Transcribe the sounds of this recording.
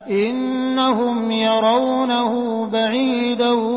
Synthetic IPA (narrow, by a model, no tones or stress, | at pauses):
ʔɪnː | aɦʊmjɑɾˤɑwnahʊ | baʕiː | d̪a